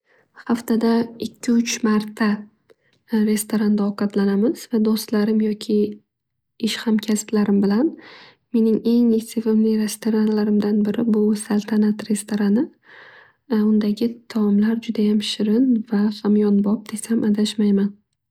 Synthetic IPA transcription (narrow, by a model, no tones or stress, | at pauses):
haft̪ad̪aɪkʲʰːɪʊt͡ʃmaɾt̪ʰa | ɾe̞st̪oɾand̪aɒqʰɑt̪lanamɪz̥vad̪ost̪laɾɪmjɒkʲʰɪ | ɪʃhamkʲʰast̪laɾɪmbɪlan | me̞nɪŋe̞ŋesʰɪvɪmlɪɾe̞st̪ʰoɾanlaɾɪmd̪anbɪɾɪbʊsalˠt̪ʰanat̪ɾe̞st̪ʰoɾanɪ | ʊnd̪aɡʲɪt̪ʰamlaɾd͡ʒʊd̪ajamʃɪɾɪnvafamjɒnbɒp̚d̪̥esamad̪aʃmajman